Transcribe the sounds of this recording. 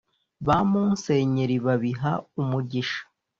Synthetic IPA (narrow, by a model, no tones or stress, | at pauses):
βamuːnse̞ːɲeɾiβaβiɦaumuɟiʃḁ